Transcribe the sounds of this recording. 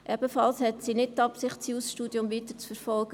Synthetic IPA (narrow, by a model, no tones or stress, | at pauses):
ʔɛb̥əfɑlˠshɛtsinɪt̚t̪ːɑpsɪχtsiusʃtuːdjʊmviːt̪ət͡sfəɾfɔlˠɡ̥ə